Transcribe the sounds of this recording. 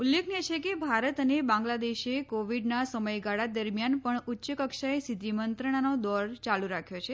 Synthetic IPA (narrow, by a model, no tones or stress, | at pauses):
ulːekʰnet͡ʃʰekebʱaɾət̪ənebãŋɡlad̪eʃekoʋiɖnasəməjɡaɽad̪əɾmjanpəɳʊtːʃəkəkʃaesid̪ʱimənt̪ɾəɽ̃anod̪ɔɾt͡ʃaluɾakʰjot͡ʃʰe